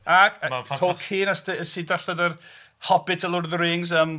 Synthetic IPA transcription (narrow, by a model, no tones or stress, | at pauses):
aɡtʰoːkʰiːnasdəəsidaɬadər | hɔbɪtʰəlˠʊrðrɪːŋzəm